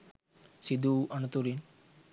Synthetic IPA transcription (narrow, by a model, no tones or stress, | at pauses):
sid̪uʔɐnut̪uɾin